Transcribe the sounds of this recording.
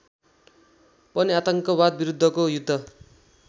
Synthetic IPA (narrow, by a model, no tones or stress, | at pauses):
pʌniat̪ʌŋkʌbad̪̚biɾud̪ʱːʌkojud̪ʱːʌ